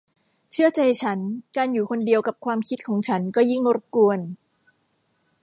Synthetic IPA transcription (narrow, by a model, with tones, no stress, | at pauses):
t͡ɕʰɯ˥˩ɐt͡ɕa˧jt͡ɕʰa˦˥nkaː˧njuː˨˩kʰo˧ndi˧əwka˨˩p̚kʰwaː˧mkʰi˦˥t̪̚kʰɔː˩˦ŋt͡ɕʰa˦˥nkɔː˥˩ji˥˩ŋɾo˦˥p̚ku˧ən